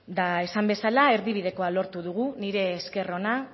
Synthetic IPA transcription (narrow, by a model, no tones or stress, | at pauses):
d̪ae̞sambe̞salae̞ɾðiβ̞ið̞e̞ko̞alo̞ɾt̪uðuɣ̞uniɾe̞ːske̞ro̞na